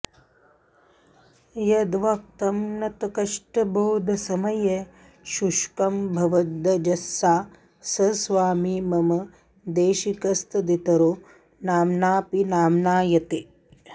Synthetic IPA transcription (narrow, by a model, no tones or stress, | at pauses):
jɐd̪ʋɐk̚t̪ɐmnɐt̪ɐkɐʂʈɐbʱoːd̪ʱɐsɐmɐje | ʃuʃkɐmbʱɐʋɐd̪ɐd͡ʒɐsːaː | sɐsʋaːmimɐmɐ | d̪eːʃikɐst̪ɐd̪it̪ɐɾoː | naːmnaːpinaːmnaːjɐt̪e